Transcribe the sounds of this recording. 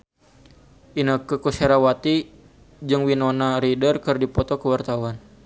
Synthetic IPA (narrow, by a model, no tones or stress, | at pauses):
ʔinəkəkuseɾawat̪i | d͡ʒɨŋwinɔnaɾidərkərdipɔt̪ɔkəwart̪awan